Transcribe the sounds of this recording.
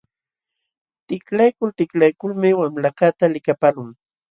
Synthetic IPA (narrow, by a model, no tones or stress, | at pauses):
t̪ɪklajkʊlt̪ɪklajkʊlmɪwamlakat̪alɪkapalʊŋ